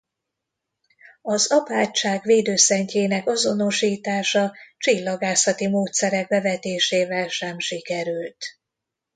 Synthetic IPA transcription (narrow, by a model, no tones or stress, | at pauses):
ɒzɒpaːct͡ʃːaːɡʋeːd̪øːsɛɲceːnɛkɒzo̞no̞ʃiːt̪aːʃɒt͡ʃilːɒɡaːsɒt̪imoːt̪sɛɾɛɡ̚bɛvɛt̪eːʃeːvɛlʃɛmʃikɛɾylt̪